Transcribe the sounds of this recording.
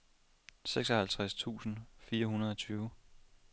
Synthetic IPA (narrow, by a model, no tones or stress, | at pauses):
seɡ̥sɒhælt͡sʰʁast͡sʰṵːsn̩fiːɐɦunɐð̞ˠɒ̽t͡sʰyːʊ